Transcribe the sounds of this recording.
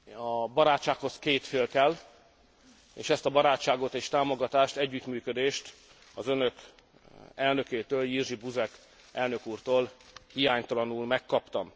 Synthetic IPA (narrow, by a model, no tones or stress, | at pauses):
ɒbɒɾaːt͡ʃt͡ʃːaːkho̞skeːt̪feːlkɛl | eːʃɛst̪ɒbɒɾaːtt͡ʃːaːɡo̞t̪eːʃt̪aːmoɡɒt̪aːʃt̪ɛɟːyt̪myːkød̪eːʃt̪ | ɒzønø̞k | ɛlnø̞keːt̪øːljirʒibuzɛk | ɛlnø̞kuːrt̪oːlhijaːɲt̪ɒlɒnulmɛkːɒpt̪ɒm